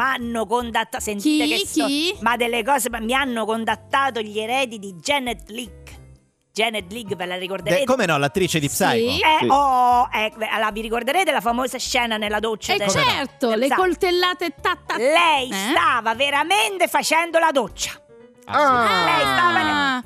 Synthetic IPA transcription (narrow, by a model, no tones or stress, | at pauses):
manːokont̪at̪ːasentiːkesimad̪ːelːekɔːsemamianːokont̪at̪ːaːt̪oʎeɾɛːd̪id̪id͡ʒɛnɛd̪liɡ | d͡ʒɛnɛd̪liɡvelarikord̪eeːt̪komenɔlat̪ːɾit͡ʃed̪ipsajkɛɔɛlaviɾikord̪eɾeːt̪̬elafamoːsaʃːɛːnanelːad̪ot͡ʃːad̪et͡ʃɛrt̪olekolt̪elːaːt̪et̪ːat̪ːalɛjsst̪aːvaveɾament̪efat͡ʃɛnd̪olad̪ot͡ʃːḁ | alɛjst̪aːva